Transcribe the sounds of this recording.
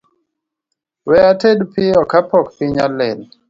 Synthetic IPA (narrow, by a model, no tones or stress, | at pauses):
wɛatedpɪɔkapɔkpiɲalɛn